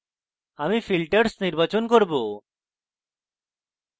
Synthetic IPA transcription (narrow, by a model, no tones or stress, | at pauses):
amifilʈəɾsniɾbat͡ɕonkoɾbo